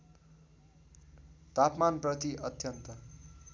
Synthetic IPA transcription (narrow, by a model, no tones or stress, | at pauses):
t̪apmanprʌt̪iʔʌt̪jʌnt̪ʌ